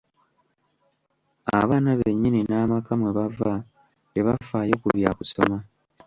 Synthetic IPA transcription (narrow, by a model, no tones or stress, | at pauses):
a̰βaːnaβeɲːininaːmakamweβava | teβafaːjo̞ːkuβjakuso̞ma